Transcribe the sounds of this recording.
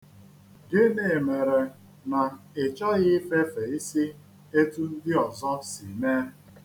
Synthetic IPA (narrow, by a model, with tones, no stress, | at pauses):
ɡɪ˦ne˨me˨ɾe˨ | na˨ɪ˨t͡ʃɔ˦ɣɪ˦fe˦fe˨i˦si˦ | e˦tu˦n̩˦dɪ˦ɔ˨zɔ˦sḭ˨me˦